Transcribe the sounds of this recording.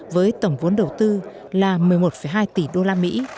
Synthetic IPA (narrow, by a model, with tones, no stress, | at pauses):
vəː˨˦jt̪ə˧˩wŋ͡mvu˨˦ənɗə˨˩wt̪ɨ˧ | laː˨˩mɨ˨˩əjmo˨˩t̚fə˧˩jɦaː˧jt̪i˧˩ɗo˧laː˧mḭ˧˥